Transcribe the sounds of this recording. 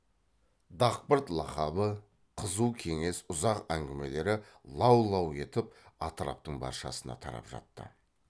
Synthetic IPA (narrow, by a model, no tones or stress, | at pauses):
d̪ɑq̚pəɾt̪lˠɑχɑbə | qʰəzuwkʲʰe̞ŋe̞sʊzɑqæŋɡʲɪme̞le̞ɾɪlˠɑwlˠɑwe̞t̪ɪp̚ɑt̪əɾɑ̰p̚t̪əɴbɑ̰ɾʃɑ̰sənɑ̰t̪ʰɑɾɑ̰pʒɑ̰t̪ːə̰